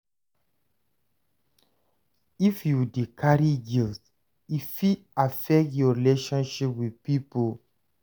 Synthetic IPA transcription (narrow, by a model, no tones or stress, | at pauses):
ifjudikʰaɹiɡis | ifiafɛk̚tjɔɹileʃɔ̃nʃipwiðpipo